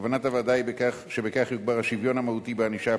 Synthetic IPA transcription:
vanatavad̪ajbekaχʃebekaχjuɡ̚baʁhaʃivjo̞namahut̪ibeaniʃa

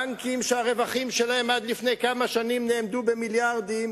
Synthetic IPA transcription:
ŋkimʃeaʁe̞vaχimʃelahemad̪lifne̞jkamaʃanimne̞ːmd̪ube̞miljaʁd̪im

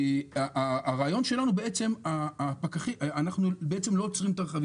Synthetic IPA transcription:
aʔaːʁaːjo̞nʃe̞lanube̞e̞t͡se̞maːpakaχiʔanaχnubee̞t͡se̞mlo̞jot͡sʁimt̪aʁχavi

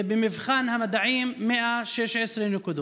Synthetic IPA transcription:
bemɪvxaːnhamad̪aʕiːmːeʔaʃeʃʕesɾinːɪkud̪o

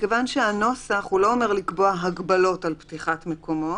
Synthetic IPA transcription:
kevanʃeano̞saχhulo̞omeʁlikbo̞aɦaɡbalo̞talptiχatmekʰo̞mo̞t

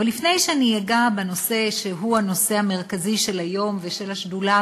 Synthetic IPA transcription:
alifne̞jʃeanijaɡabeno̞se̞ʃeɦuano̞se̞ame̞ʁkaziʃe̞lajo̞mveʃelaʃdula

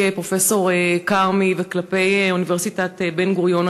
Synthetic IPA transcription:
pʁo̞fe̞so̞ʁekaʁmiveklape̞juniveʁsitat̪ebenɡuʁjon

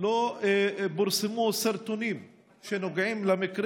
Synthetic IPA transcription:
lo | bʊɾsɪmusɪɾt̪ʊnim | ʃenoɡʕimlamɪkɾ

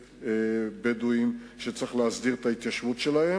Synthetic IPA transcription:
bed̪uimʃet͡sʁiχleazd̪iʁt̪ait̪jaʃvutʃelahe̞

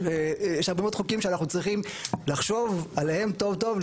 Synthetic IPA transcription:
ejeʃaʁbemod̥̪χukimʃeanaχnut͡sʁiχimlaχʃo̞valehe̞mto̞vt̪o̞v

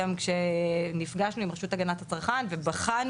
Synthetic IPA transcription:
amkʃenifɡaʃnuimʁeʃutaɡanathat͡saʁχanvebaχan

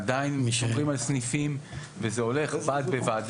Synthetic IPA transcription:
d̪ainmʃoʁimalsnifim | vezeo̞le̞χbaːt̪̚bevaːd̪

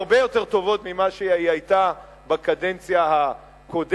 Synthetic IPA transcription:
ʁbejo̞te̞ʁt̪o̞vo̞t̪mimaʃeaiajt̪a | bakadent͡sjaha | ko̞d

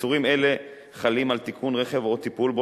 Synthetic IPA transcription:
uʁime̞le̞ | χalimalt̪ikʰunʁeχevot̪ipulbo

